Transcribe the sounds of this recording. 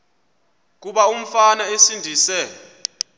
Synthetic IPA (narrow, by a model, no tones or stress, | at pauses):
k̬uɓaum̩fanaesindʱiːsɛ